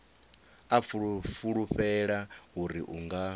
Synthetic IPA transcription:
afuɺfuɺuɸɛɺaɦuɾiʔuŋɡa

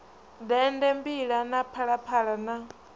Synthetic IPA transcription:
d̪ɛndɛmbiɺanapʰaɺapʰaɺana

